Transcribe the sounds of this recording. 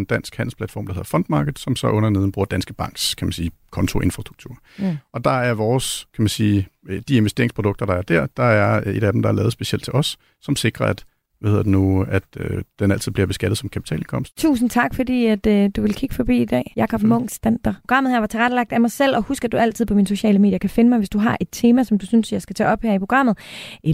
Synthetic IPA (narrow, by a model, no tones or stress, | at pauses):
nd̥æn̰sɡ̥hæn̰l̩pʰlæd̥fɒ̰ːmd̥ɑhe̝ðˠɐfɒ̽nd̥mɑ̈ːɡ̥əð̩ˠsɒ̽msɒ̽ʔɔ̽nɐne̝ð̞ˠn̩bʁuɐd̥ænsɡ̥əb̥ɑ̈ŋ̰ɡ̥skʰæmænsiːkʰɒ̽nt͡sʰo̝ʔe̝nfʁɑ̈sd̥ʁuɡ̥̚t͡sʰuɐ̰ | ʔɒ̽d̥ɑ̈æɐʋɒːskʰæmænsiːd̥ie̝nʋesd̥e̝ɐeŋpʰʁo̝d̥ɔ̽ɡ̥̚d̥ɐɾ̥ɑ̈æɐd̥æɐ̰d̥ɑ̈æɐe̝ɾ̥æd̥m̩d̥ɑ̈æɐlɛːʊðˠsb̥e̝ɕield̥̚t͡sʰe̝lʔɒ̽sː | ɒ̽mse̝ɡ̥ʁɐæd̥ | ʋæhe̝ðˠɐdenuæd̥ød̥enæl̰t͡sʰiðˠb̥liɐb̥e̝sɡ̥æd̥ð̞̩ˠsɒ̽mkʰæpi̥t͡sʰɛ̰ːlenkʰɒ̽m̰sd̥t͡sʰṵːsn̩t͡sʰɑ̈ɡ̥fɒd̥ḭːæd̥d̥uʋe̝lkʰiɡ̥əfɒ̽b̥ḭːid̥ɛ̰ːjɑ̈kʰɒ̽b̥mɔŋ̰sd̥ænd̥ɐpʰoɡ̥ʁɑ̈m̰ð̩ˠheɐʋɑ̈t͡sʰe̝ʁadəlɑ̈ɡ̥̚d̥æmɑ̈ɪsel̰ɒ̽husɡ̥æd̥uæl̰t͡sʰiðˠpʰɒ̽minso̝ɕɛ̰ːləme̝̰ːd̥jɐkʰæfe̝nəmɑ̈ɪʋesd̥uɦɑ̈ʔe̝d̥̚t͡sʰe̝ːmæsɒ̽md̥usynsjɑ̈ɪsɡ̥æt͡sʰɛ̰ːɒ̽b̥heɐ̰ipʰʁo̝ɡ̥ʁɑ̈m̰ð̩ˠe